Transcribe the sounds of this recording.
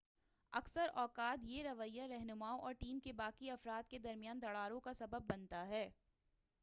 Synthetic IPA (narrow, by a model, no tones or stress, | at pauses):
ɐksəɾɔːkaːt̪jeɾɐʋəjːaɾɛɦnʊmaːoʔɔːɾʈiːmkebaːkiɐfɾaːt̪ked̪ɐɾmjaːnd̪ɐɽaːɾõkasɐbəbːɐnt̪aɦɛː